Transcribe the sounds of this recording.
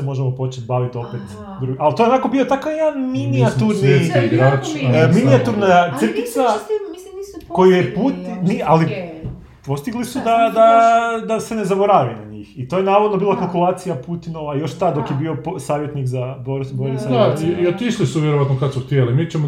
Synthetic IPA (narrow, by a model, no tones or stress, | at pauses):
semo̞ʒemopo̞t͡ʃet̪baʋit̪o̞pet̪ | d̪ɾuɡʔalt̪oenako̞bijot̪akajed̪anminiat̪uɾniaiɡɾaːt͡ʃːminiat̪uɾnajat̪sr̩kit̪sa | ko̞jijeput̪miali | po̞st̪iɡlisud̪ad̪ad̪asenezabo̞ɾaʋinaɲiːxit̪o̞jenaːʋod̪nobilˠakalˠkulˠaːt̪sijaput̪inoʋajo̞ʃt̪ad̪o̞kjebio̞posaːʋjet̪nikzaboɾsboɾsajd̪aiiot̪iʃlisuʋjeɾoʋat̪nokad̪suxt̪jelimiːt͡ɕemo